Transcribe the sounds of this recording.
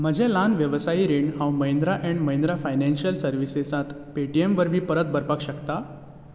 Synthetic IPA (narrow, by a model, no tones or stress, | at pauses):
m̤əd͡ʑʱɛ̃lanʋjəʋsaiɾeɳɖɦãwũməɦj̃nd̪ɾaʔɛ̃ɳɖməj̃nd̪ɾafajnɛnɕiəlsəɾʋisesãt̪peʈiemʋəɾbʱiːpəɾət̪̚bʱəɾpakɕəkt̪a